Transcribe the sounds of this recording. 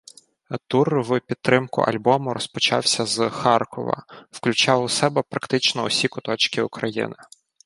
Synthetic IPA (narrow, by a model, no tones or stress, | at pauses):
t̪urwpʲid̪̚t̪ɾɪmkʊ̰ʔɐ̰lʲbɔmʊɾɔspɔt͡ʃɑ̰wsʲɐzxɑrkɔ̰ʋɐ̰wklʲʊt͡ʃɑwʊsɛbɛpɾɐkt̪ɪt͡ʃnɔɔsʲikʊt̪ɔt͡ʃkʲɪʊkɾɐjḭnɪ